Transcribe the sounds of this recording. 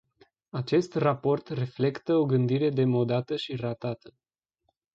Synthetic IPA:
at͡ʃe̞st̪rapo̞rt̪re̞fle̞kt̪əo̞ɡɨnd̪iɾe̞d̪e̞mo̞d̪at̪əʃirat̪at̪ə

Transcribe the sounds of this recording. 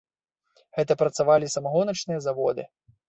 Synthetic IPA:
ɣɛt̪ɐpɾɐt̪savalʲisɐmaɣɔnɐt͡ʂnɨjɐzavɔd̪ɨ̰

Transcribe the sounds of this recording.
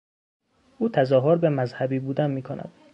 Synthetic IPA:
ʔuːt̪ʰæzɒːɦoɾbemæzhæbiːbuːd̪ænmiːkʰonʔæ̰d̪̥

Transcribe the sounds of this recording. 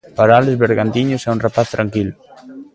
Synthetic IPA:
paɾaalɪzβeɾɣant̪iɲʊsɛunrapaθt̪ɾaŋkilʊ

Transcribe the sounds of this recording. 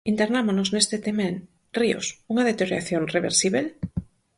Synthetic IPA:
int̪eɾnamonoznest̪et̪emẽn | rio̰suŋaðet̪eoɾjaθjonreβeɾsiβel

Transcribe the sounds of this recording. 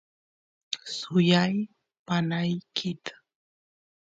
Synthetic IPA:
sʊjaj | panajkʰɪt̪ḁ

